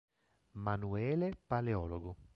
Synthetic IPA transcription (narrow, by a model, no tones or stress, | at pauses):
manuɛːlepaleɔːloɡʊ